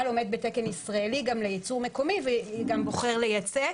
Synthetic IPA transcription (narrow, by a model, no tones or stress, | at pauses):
alo̞med̪̚bet̪eke̞nisʁaeliɡamlejit͡suʁmeko̞miveɡambo̞χe̞ʁlejat͡se